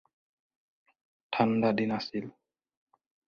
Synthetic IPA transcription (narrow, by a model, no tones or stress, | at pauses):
t̪ʰandadinasil